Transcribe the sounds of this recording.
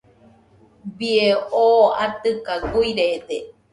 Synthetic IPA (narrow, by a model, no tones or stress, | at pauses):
bieoat̪ɨkaɡuiɾed̪e